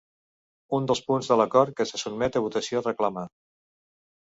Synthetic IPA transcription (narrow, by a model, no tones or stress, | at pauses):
und̪əlˠspunzðələkɔɾt̪̚kəsəsub̚mɛt̪əβut̪əsiorəkləma